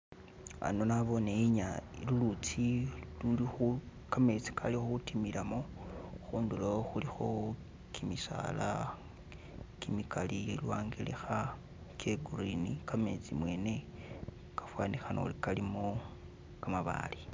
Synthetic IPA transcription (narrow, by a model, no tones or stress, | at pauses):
a̰nonaβo̞neiɲailulut͡silulixu | kame̞t͡si̥kʰalixutimilamoxuːndulooxulixo̞ | kʰimisa̰ːla | kimikalielwaːŋɡilḛxa | keɡuɾinikame̞t͡simwe̞ːne̞ | kḁfwaːnixano̰likalimo | kamaβa̰ːli